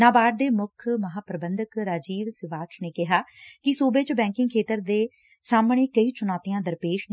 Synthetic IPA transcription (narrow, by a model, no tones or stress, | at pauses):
naːbaːɖ̚d̪eːmʊkʰməɦaːpɾəbənd̪əkɾaːd͡ʒiːʋsɪʋaːt͡ʃneːkɪɦaːkɪsuːbeːt͡ʃbɛ̃ːŋkɪ̃ŋɡkʰeːt̪əɾd̪eː | saːmɳeːkəiːt͡ʃʊnaːt̪ijãːd̪əɾpeːʃ